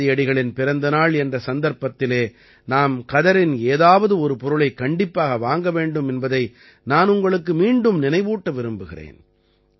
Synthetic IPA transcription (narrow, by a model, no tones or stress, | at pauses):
ɪjɐɽɪɣɐɭɪnpɪɾɐnd̪ɐnaːɭɛndrɐsɐnd̪ɐɾpɐt̪ːɪleː | naːmkɐðɐɾɪneːðaːʋɐðɯɔɾɯpɔɾɯɭɐɪkːɐɳɖɪpːaːɣɐʋaːŋɡɐʋeːɳɖɯmɛnbɐðɐɪ | naːnʊŋɡɐɭɯkːɯmiːɳɖɯmnɪnɐɪʋuːʈːɐʋɪɾɯmbɯɣɪrḛːn